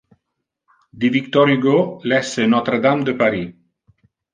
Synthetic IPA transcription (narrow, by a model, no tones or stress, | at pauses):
d̪ivikt̪ɔɾyɡolɛsənɔt̪ɾəd̪amd̪əpaɾi